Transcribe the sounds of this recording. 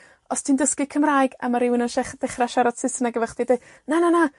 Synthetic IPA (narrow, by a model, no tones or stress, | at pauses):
ɔstʰindəskɪkʰəmraːɨɡa̰maɾɪwɪnanʃɛχd̥ɛχraʃɛɾɔd̥sɪsənaɡəvəχd̥ide | nanana